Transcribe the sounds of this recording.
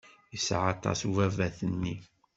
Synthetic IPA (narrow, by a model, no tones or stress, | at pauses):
isʕat̪ˤɑ̰suvævæθənːi